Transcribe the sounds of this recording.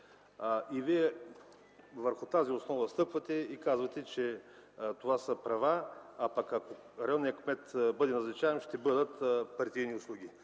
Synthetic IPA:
ʔiviɛ | vəɾxʊt̪aziʊsnɔvɐst̪ɤpvɐt̪ɛikazvɐt̪ɛt͡ʃɛt̪ovasəpɾɐvaːpakako | ɾɛɔnːijəkmɛt̪bɤd̪ɛnɐznɐt͡ʃaɛnʃt̪ɛbɤd̪ət̪pɐɾt̪ijniʊslˠuɡʲi

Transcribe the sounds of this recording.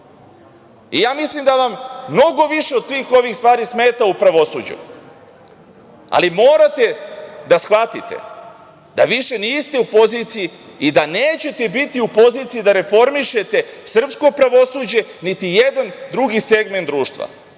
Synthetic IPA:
ijaːmislimd̪aʋamːno̞ɡo̞ʋiʃe̞o̞d̪sʋiːxo̞ʋixst̪ʋaːɾisme̞ːt̪aupɾaʋo̞sṵd͡ʑṵ | a̰limo̞ːɾat̪e̞d̪asxʋat̪ḭt̪e̞̰ | d̪a̰ʋiʃe̞niːst̪eupo̞zit̪sijiid̪aneːt͡ɕe̞t̪e̞bit̪iupo̞ziːt̪sijid̪aɾe̞fo̞ɾmiʃe̞t̪e̞sr̩psko̞pɾaʋo̞suːd͡ʑe̞nit̪ije̞d̪and̪ɾuɡise̞ɡment̪d̪ɾuːʃt̪ʋa̰

